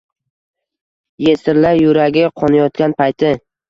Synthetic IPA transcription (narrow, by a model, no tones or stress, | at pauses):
jesɪɾlaɾjʊɾaɡʲɪqʰɒnajɒt̪kʲanpʰajt̪ʰɪ